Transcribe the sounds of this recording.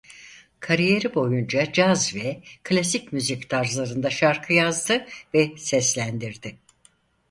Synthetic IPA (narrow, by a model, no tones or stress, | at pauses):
kʰaɾije̞ɾibo̞jund͡ʒad͡ʒazvɛkʰlʲasicmyzict̪ʰaɾzlˠaɾɯnd̪aʃaɾkʰɯjazd̪ɯvɛsɛslʲænd̪iɾd̪ɪ